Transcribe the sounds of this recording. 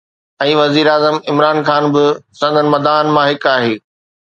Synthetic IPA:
ɛ̃ːʋɐziːɾaːzəmɪmɾaːnxaːnbɪsɐ̃nd̪ʱənɪ̆mɐd̪aːnmãɦɪkaːɦeː

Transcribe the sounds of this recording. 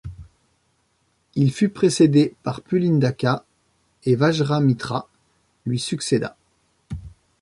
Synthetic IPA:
ilfypχesed̪epaʁpylind̪aka | evaʒʁamit̪χa | lɥisyksed̪a̰

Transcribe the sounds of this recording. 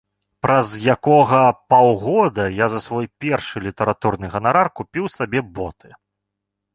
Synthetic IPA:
pɾɐzjakɔɣɐpawɣɔd̪ɐjazɐsvɔjpʲɛrʂɨlʲit̪ɐɾat̪urnɨɣɐnaɾarkupʲiwsabʲɛbɔt̪ʰɨ

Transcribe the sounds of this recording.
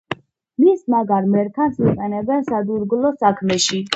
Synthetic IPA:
mismaɡaɾmɛɾkʰansiqʼɛnɛbɛnsad̪uɾɡlɔsakʰmɛʃi

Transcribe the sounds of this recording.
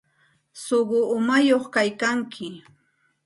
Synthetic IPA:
soɢʊʊmajoχkajkaŋkʰɪ

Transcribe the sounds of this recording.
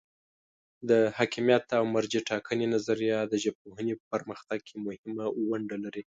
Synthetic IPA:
d̪əhɑkimjat̪awmaɾd͡ʒiʈɑkʰənenazaɾijɑd̪əʒəb̚poɦənepəpəɾməxt̪aɡ̚kʰemʊhɪmawaɳɖalaɾi

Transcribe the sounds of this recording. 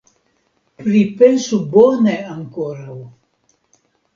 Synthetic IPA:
pɾipensuboneaŋkoɾaw

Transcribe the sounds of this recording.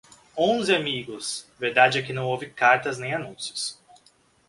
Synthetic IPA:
õzɪamiɡʊsveɾd̪ad͡ʒɪɛkɪnɐ̃w̃owvɪkaɾt̪ɐznẽj̃anũsjʊ̥s

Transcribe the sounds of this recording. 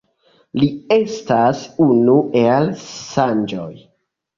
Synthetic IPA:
lie̞stasunuelsand͡ʒo̞̰j

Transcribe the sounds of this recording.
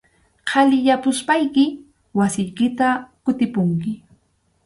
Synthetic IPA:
qʰɑlɪjapʊspajkɪ | wasɪjkɪt̪akʊt̪ɪpʊŋkɪ

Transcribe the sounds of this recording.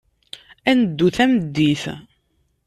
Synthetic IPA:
ænəd̪ːuθæməd̪ːiθ

